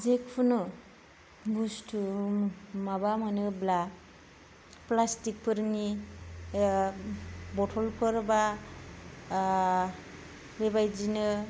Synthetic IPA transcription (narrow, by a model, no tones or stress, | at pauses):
zekpʰunɯ | ɡustʰu | mabamanɯbla | plastik̚pʰɯɾni | bɔtʰɔlpʰɯɾba | bebajd͡ʒinɯ